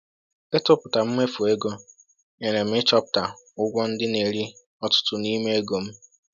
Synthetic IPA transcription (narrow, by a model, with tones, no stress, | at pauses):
e˦tʊ˦pʊ˨ta˨m̩˦me˦fu˨e˦ɡo˦ | e˨ne˨m̩˦ɪ˦t͡ʃɔ˦pʊ̥˨ta˨ʊ˦ɡʷɔ˦n̩˦dɪ˦ne˨ɾi˦ | ɔ˦tʊ̥˦tʊ˦ni˦me˦e˦ɡo˨m̩˦